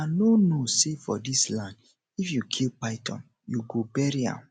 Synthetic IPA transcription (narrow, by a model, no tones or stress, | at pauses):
anonosefɔdislãnd | ifjukʰilpaɪtʰɔ̰̃n | juɡobɛɹiã̰m